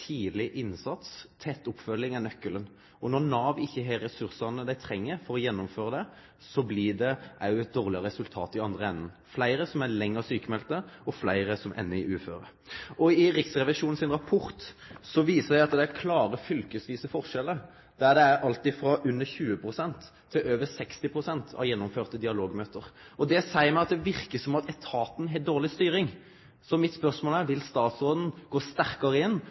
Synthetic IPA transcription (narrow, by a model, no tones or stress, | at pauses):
t̪ʰiːlɪʔɪnsɑt̪st̪ʰɛt̪ːʊpfœlːɪŋɛnœkːələn | ɔnɔʁnɑːʋɪçːəɦeːɾːɛsʉʁsɑnəd̪æɪt̪ʰɾɛŋːəɾfɔɾɔjɛnːʊmføːɾəd̪ɛ | sɔblɪd̪ɛʔɑʊɛt̪̚d̪oːʁlɪəʁəɛsʉlt̪ʰɑːt̪ɪɑnd̪ʁəɛnːən | flæɪɾəsɔmælɛŋːəʁsyːkəmɛlt̪əɔflæɪʁəsɔmʔɛ̰nːəɪʔʉːføːɾə | ʔɔɪʁɪksʁɛʋɪʂuːnn̩sɪnɾɑpʰʊɾt̪sɔʋiːsəæɪɑt̪d̪ɛækʰlɑːɾəfʏlkəsʋiːsəfɔʁʂɛlːə | d̪̥æʁd̪ɛæɾʔɑlt̪ɪfɾɑʔʉnːəçʉːəpʰɾʊsɛnt̪ʰːɪløːʋəsɛkst̪ɪpʰɾʊsɛnt̪ʰɑ̰ʋjɛnːɔmføːʁt̪əd̪ɪɑloːɡmøːt̪əɾɔd̪ɛsæɪəmæɪɑt̪̚d̪ɛʋɪʁkəsɔmɑt̪ʰɛt̪ʰɑːt̪n̩ɦɛd̪oːʁlɪst̪yːɾɪŋ | sɔmɪt̪spœʁsmoːlæɾʋɪlst̪ɑːt̪sʁoːd̪n̩ɡ̥oːst̪æɾkəɾəɪnː